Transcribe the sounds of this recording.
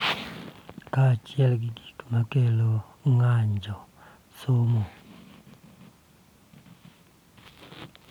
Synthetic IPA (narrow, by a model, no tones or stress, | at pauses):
kat͡ʃiɛlɡ̬iɡikumakelɔ | ŋaɲd͡ʒɔ | somo